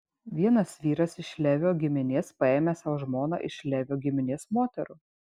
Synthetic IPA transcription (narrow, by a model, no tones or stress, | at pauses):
ʋʲiɛnɐsʋʲiːɾɐsɪʃlʲæʋʲoːɡʲɪmʲɪnʲeːspɐeːmʲɛsɐʋʒmoːno̰ːʔɪʃlʲæʋʲoːɡʲɪmʲɪnʲeːsmoːt̪ʲɛɾuː